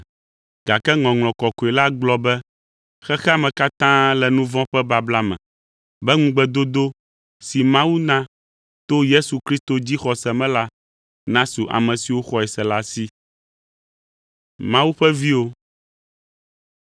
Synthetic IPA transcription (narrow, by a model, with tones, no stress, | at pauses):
ɡ̥a˨kɛ˦ŋɔ̃˨ŋl̃ɔ̃˨kɔ˨ko˨ɛ˨la˦ɡ͡blɔ˦bɛ˦ | xɛ˦xɛ˦a˨mɛ̃˨ka˦t̪ã˦lɛ˨nũ˦vɔ̃˦ɸɛ˦ba˦bla˦mɛ̰̃˨ | bɛ˦ŋũ˦ɡ͡bɛ˦d̪o˦d̪o˦ | si˨mã˦wu˦nã˦ | t̪o˦je˦su˨kɾi˦st̪o˨d͡ʑi˦xɔ˨sɛ˨mɛ̃˦la˦ | nã˦su˨ʔa̰˨mɛ̃˨si˨wo˦xɔ˦ɛ˨sɛ˨la˦si˦ | mã˦wu˦ɸɛ˦vi˦wo˦